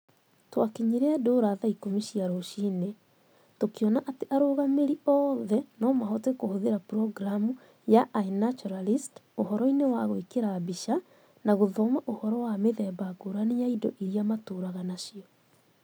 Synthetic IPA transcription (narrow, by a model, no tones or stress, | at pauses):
twakeɲiɾɛadoːɾaðaikomiɕiaɾoɕiːne | tokeɔnaʔateʔaɾoɣameɾiɔːðɛnɔmaɦɔtɛkohoðeɾapɾɔɡɾamu | jaʔainat͡ʃɔɾalistohɔɾɔinewaɣwekeɾabiʃa | naɣoðɔmaʔohɔɾɔwameðɛːbaɡoɾanejaidɔ̰ʔiɾiamatoːɾaɣanaɕiɔ